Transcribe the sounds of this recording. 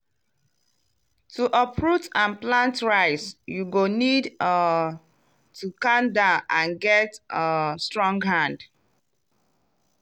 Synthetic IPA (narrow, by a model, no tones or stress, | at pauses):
tʰuʔəpʰɹutãnplãntɹaɪsjuɡonid | tʰukãndãʊnʔãnɡɛtəstɹɔ̃ŋɡɦãnd